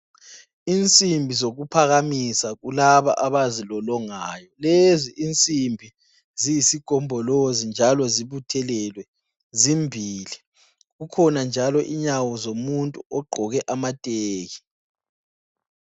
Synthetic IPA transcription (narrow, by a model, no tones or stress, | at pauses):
int͡sʼimbʱizoɣupʰaɣamisaɣulaβa̰ʔaβazilɔlɔŋaːjɔleziʔint͡sʼimbʱi | zijisiɡ̥ʱɔmbʱɔlozind͡ʒʱalɔziβutʰɛlɛlwɛ | zimbʱiːli | ɣukʰɔnand͡ʒʱalɔʔiɲawɔzomuntʼuɔɡ͡ǃʱɔɣɛʔamatʼeːɣi